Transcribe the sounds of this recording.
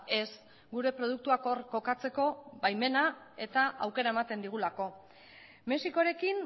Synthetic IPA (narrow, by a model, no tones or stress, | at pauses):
e̞s | ɡuɾe̞pɾo̞ð̞uk̚t̪uakoɾko̞kat͡se̞ko̞βajme̞nae̞t̪aʔawke̞ɾae̞mat̪e̞nd̪iɣ̞ulako̞ | me̞siko̞ɾe̞kin